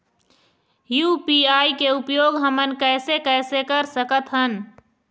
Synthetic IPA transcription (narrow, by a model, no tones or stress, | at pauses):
jupiaːikeupjoːɡɦəmənkɛːsekɛːsekəɾsəkət̪ɦən